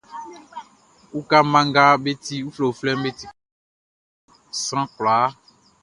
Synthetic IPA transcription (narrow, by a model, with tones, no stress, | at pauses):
wu˦ka˦mã˦ŋ˦ɡa˦be˦t̪i˦wu˦flo˨flɛ˦m˦be˦t̪i˨ | sã˦kla˨˦